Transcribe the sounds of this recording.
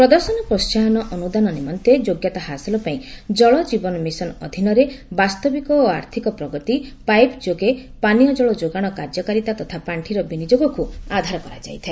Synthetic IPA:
pɾɔd̪ɔɾsɔnɔpɾɔst͡ʃaɦɔnɔʔɔnud̪anɔnimɔnt̪ed͡ʒoɡjat̪aɦasɔlɔpaĩd͡ʒɔɭɔd͡ʒibɔnɔmisɔnɔ̰d̪ʱinɔɾebast̪ɔbikɔːaɾt̪ʰikɔpɾɔɡɔt̪ipajpd͡ʒoɡepanijɔd͡ʒɔɭɔd͡ʒoɡaɽ̃ɔkaɾd͡ʒɔkaɾit̪at̪ɔt̪ʰapaɳʈʰiɾɔbinid͡ʒoɡɔkuad̪ʱaɾɔkɔɾad͡ʒa̰jt̪ʰae

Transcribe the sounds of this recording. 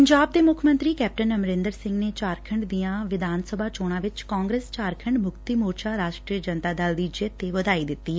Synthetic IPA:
pəɲd͡ʒaːb̚d̪eːmʊkʰmə̃nt̪ɾiːkɛːp̚ʈənəmɾẽːnd̪əɾsɪ̃ŋɡneːt͡ʃaːɾkʰəɳɖd̪ijãːʋɪd̪ʱaːnsəbʱaːt͡ʃoːɽ̃ãːʋɪt͡ʃkãːŋɡɾeːst͡ʃaːɾkʰəɳɖmʊkt̪iːmoːɾt͡ʃaːɾaːʃʈɾiəd͡ʒənt̪aːd̪ald̪iːd͡ʒet̪eːʋəd̪aːiːd̪ɪt̪ːiː

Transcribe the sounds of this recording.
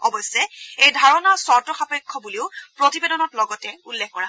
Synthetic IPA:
ɔbɔsːɛejdʱaɹɔnasɔɹtɔxapɔkʰːɔbuliʊpɹotibedɔnɔtlɔɡɔtɛulːexkɔɹa

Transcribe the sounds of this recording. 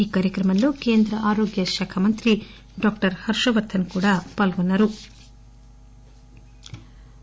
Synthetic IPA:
iːkaːɾjɐkɾɐmɐnlːuːke̞ːnd̪ɾɐʔaːɾoːɡjɐʃɐːkʰɐmɐnt̪ɾi | ɖaːkʈɐɾhɐɾʂɐʋɐɾt̪ʰːɐnkuːɽapɐlɡonːɐɾu

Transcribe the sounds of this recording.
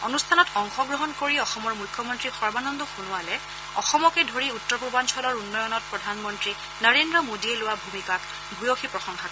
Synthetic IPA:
onustʰanɔtɔŋxɔɡɹɔɦɔnkoɹiɔxɔmɔɹmujkʰːɔmɔntɹixɔɹbanɔndɔxunʊalɛ | ɔ̰xɔmɔkɛdʱoɹiutːɔɹpubansʰɔlɔɹunːɔjɔnɔt̚pɹɔdʱanmɔntɹi | nəɹendɹɔmodiɛlʊwabʱumikak | bujoxipɹɔxɔŋxak

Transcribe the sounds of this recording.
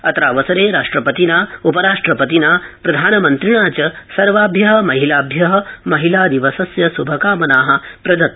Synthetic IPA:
ɐt̪ɾaːʋɐsɐɾeːɾaːʂʈɾɐpɐt̪inaːupɐɾaːʂʈɾɐpɐt̪inaːpɾɐd̪ʱaːnɐmɐnt̪ɾiɳaːt͡ʃɐsɐɾʋaːbʱjɐɦɐ̆mɐɦilaːbʱjɐɦɐ̆mɐɦilaːd̪iʋɐsɐsjɐsubʱɐkaːmɐnaːɦɐ̆pɾɐd̪ɐt̪

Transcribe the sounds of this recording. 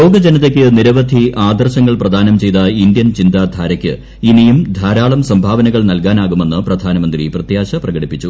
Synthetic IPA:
o̞ːɡɐd͡ʑɐnɐt̪ːekʲːɨniɾɐʋɐd̪ʱiʔaːd̪ɐrɕɐŋːɐɭprɐd̪ʱaːnɐmt͡ɕe̞jt̪ɐind̪jɐnt͡ɕind̪aːd̪ʱaːɾɐkʲːɨ | inijumd̪ʱaːɾaːɭɐmsɐmbʱaːʋɐnɐɣɐɭnɐlkaːnaːɣume̞nːɨprɐd̪ʱaːnɐmɐnd̪riprɐt̪jaːɕɐprɐɣɐɽipːit͡ɕːu

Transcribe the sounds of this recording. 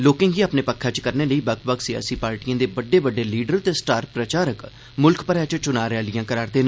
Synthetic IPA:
loːkɪ̃ːŋɡiːaːpneːpəkʰːãːt͡ʃkəɾneːləiːbəkʰbəksɪja̰ːsiːpaːɾʈijãːd̪eːbəɖːeːbəɖːeːliːɖəɾt̪eːsʈaːɾpɾət͡ʃaːɾək | mʊlkpəɾaːt͡ʃt͡ʃʊnaːɾɛːlɪjãːkəɾaːɾd̪eːnː

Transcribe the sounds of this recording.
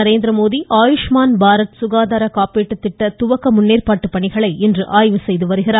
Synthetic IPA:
ɐɾeːnd̪ɾɐmoːðiʔaːjʊʂmaːnbʱaːɾɐt̪sʊɣaːðaːɾɐkaːpeːʈːɯt̪ːɪʈːɐt̪ʊʋɐkːɐmʊnːeːrpaːʈːɯpːɐɳɪɣɐɭɐɪɛndrɯʔaːjʋɯsɛjðɯʋɐɾɯɣɪɾaː

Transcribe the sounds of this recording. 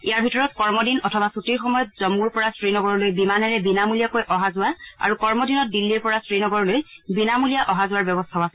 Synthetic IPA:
ijaɹbʱitɔɹɔtkɔɹmɔdinɔtʰɔbasutiɹxɔmɔjɔt̚z̥ɔmuɹpɔɹasɹinɔɡɔɹɔlojbimanɛɹɛbinamulijakojʔɔɦazʊwaa̰ɹukɔɹmɔdinɔt̚dilːiɹpɔɹasɹinɔɡɔɹɔlojbinamulijaʔɔɦazʊwaɹbjɔbɔstʰaʊasɛ

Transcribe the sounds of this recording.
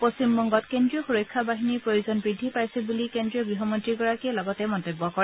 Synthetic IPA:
posimːɔŋɡɔtkendɹijɔxuɹojkʰːabaɦiniɹpɹojuzɔnbɹid̪ʱːipaɹsɛbulikendɹijɔɡɹiɦɔmɔntɹiɡɔɹakilɔɡɔtɛmɔntobːɔkɔɹɛ

